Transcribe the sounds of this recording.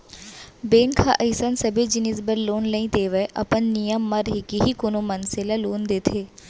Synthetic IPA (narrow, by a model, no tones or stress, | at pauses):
beːnkʰaʔɐɪsənsɐbʱed͡ʒɪnɪzbəɾloːnlɐĩt̪eːʋəeʔɐ̰pənːijəmːɐɾɦɪkiɦikonomɐnselaloːnd̪eːt̪ʰeː